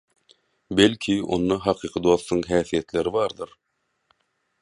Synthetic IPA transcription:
belʲkʰio̞̰nːɑɦɑqʰɯːqʰɯd̪o̞θt̪ːuŋɦæːθije̞t̪le̞ɾiβɑːɾd̪ɯɾ

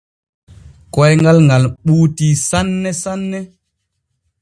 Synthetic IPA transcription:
kɔjŋɡalŋɡalɓuːtisanːɛsanːɛ

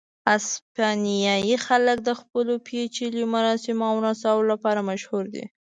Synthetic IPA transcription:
aspɑnijɑjixalək̚d̪əxpəlopʰet͡ʃiljomaɾɑsɪmawɾasɑwlolapɑɾamaʃhuɾd̪ḭ

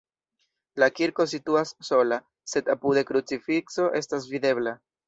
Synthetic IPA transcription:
lakiɾko̞s̬ituasːo̞la | se̞dapud̪e̞kɾut͡sifikso̞ʔe̞stasvide̞bla

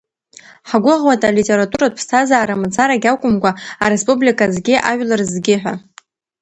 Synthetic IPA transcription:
ħaɡʷʊʁwatʼalitʲʼe̞ɾatʼuɾatpʰstʰazaːɾamat͡sʰʼaɾaɡʲawkʷʼʊmkʷaaɾespʼublikʰʼazɡʲɪʔa̰ʒʷᶣlarzɡʲɪħʷᶣa

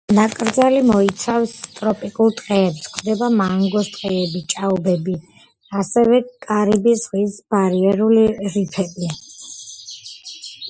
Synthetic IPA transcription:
nakʼɾd̪zalimɔit̪sʰafst̪ʼɾɔpʼikʼulˠt̪ʼqʼɛːpskʰd̪ɛbamaŋɡɔst̪ʼqʼɛɛbit͡ʃʼaɔbɛbi | asɛvɛkʼaɾibisʁwisb̥aɾiɛɾuliɾipʰɛbia

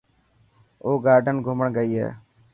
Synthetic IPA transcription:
oːɡaːɾɖənɡʱʊməɳɡəiːɦɛ̰ː

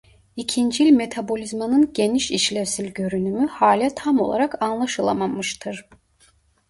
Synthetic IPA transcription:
icʰind͡ʒiilʲme̞t̪ʰabo̞lʲizmanɯnɟeniʃiʃlʲɛvsizʲɟø̞ɾynymyhaːlʲat̪ʰamo̞lˠa̰ɾakanlˠaʃɯlˠa̰mamɯʃt̪ʰɯɾ̥

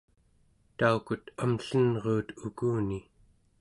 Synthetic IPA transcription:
t̪aukut̪amɬənʁuːt̪ukuːni

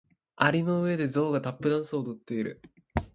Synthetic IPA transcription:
aɾʲino̞ɯ̟e̞d̪e̞zo̞ːɡat̪apːɯ̟d̪ãɰ̃sɨod̪ot̪ːe̞iɾɯ̟̰

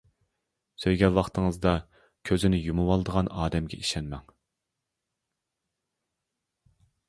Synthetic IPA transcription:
søjɡʲɛnwɑχt̪ʰəŋɨzd̪ɑ | kʲʰøzɪnɪjumuwɑlˠd̪əʁɑnɑːd̪ɛmɡʲɛ̰ʔiʃɛnmɛŋ

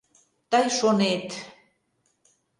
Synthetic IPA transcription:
t̪ɑjʃonet̪

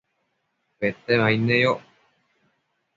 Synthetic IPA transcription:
pet̪eβainejo

